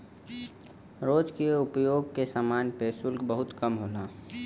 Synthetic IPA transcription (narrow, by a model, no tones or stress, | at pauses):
ɾoːd͡ʒkeʊpjoːɡkesaːmaːnpesʊlkbəɦʊt̪kəmɦoːnaː